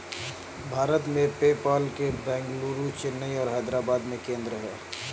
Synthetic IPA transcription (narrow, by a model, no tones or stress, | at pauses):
bʱaːɾət̪mẽpeːpaːlkebɛ̃ːŋɡluːɾut͡ʃɪnːəiɔːɾɦaːd̪ɾaːbaːd̪mẽkẽːnd̪ɾəɦɛː